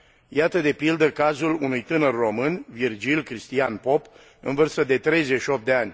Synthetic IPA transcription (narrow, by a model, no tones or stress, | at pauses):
jat̪əd̪e̞pild̪əkazulunujt̪ɨnərːo̞mɨnvird͡ʒilʲkɾist̪ianpo̞p | ɨ̰nvɨrst̪əd̪e̞t̪ɾe̞jze̞ʃio̞p̚d̪eanʲ